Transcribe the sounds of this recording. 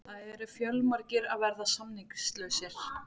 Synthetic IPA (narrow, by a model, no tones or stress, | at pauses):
θaðɛɾʏfjœlmaɾcɪɾaðvɛɾðasamniŋkst̪lœɥsɪɾ̥